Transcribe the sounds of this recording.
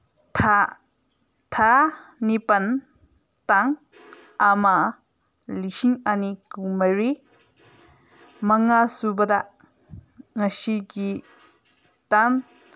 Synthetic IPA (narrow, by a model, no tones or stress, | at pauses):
tʰa | tʰanipɐn | taŋ | ama | lisiŋanikumɐjɾi | mɐŋasubɐda | ŋɐsiɡi | tan